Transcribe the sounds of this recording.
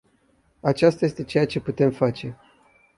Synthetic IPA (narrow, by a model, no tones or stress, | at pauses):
at͡ʃast̪aje̞st̪e̞t͡ʃe̞jat͡ʃe̞put̪e̞mfat͡ʃe̞